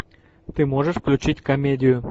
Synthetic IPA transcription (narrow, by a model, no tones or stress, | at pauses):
t̪ɨmoʐəʂfklʲut͡ɕitʲkomʲedʲɪjʊ